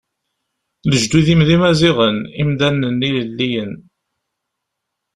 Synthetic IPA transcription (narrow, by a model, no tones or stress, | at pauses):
ləʒd̪uðimðimæziʁənimd̪ænənːiləlːijən